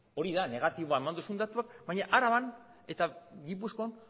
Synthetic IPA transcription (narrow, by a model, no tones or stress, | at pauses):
o̞ɾiðane̞ɣ̞at̪iβoae̞mand̪usund̪at̪uakbajɲaʔaɾaβan | e̞t̪aɣipuskoan